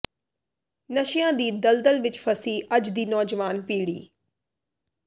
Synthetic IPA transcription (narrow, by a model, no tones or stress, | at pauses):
nəʃɪjãːd̪iːd̪əld̪əlʋɪt͡ʃpʰəsiːʔəd͡ʒd̪iːnɔːd͡ʒʋaːnpiːɽḭː